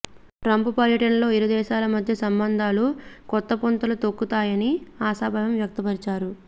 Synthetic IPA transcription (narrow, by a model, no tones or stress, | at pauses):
ʈɾɐmpupɐɾjɐʈɐnlo̞ːiɾud̪ɛːʃaːlɐmɐd̪ʱjɐsɐmbɐnd̪ʱaːlukɔt̪ːɐpont̪ulut̪okːut̪aːjɐniaːsaːbʱɐʋɐmʋjɐk̚t̪ɐpɐɾit͡ʃaːɾu